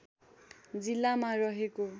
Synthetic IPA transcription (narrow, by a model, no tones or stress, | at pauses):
d͡zilːamarʌɦeko